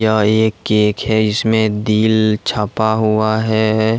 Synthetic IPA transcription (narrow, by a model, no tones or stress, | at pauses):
aeːkːeːkɦɛɪsmẽd̪iːlt͡ʃʰapaɦuaɦɛ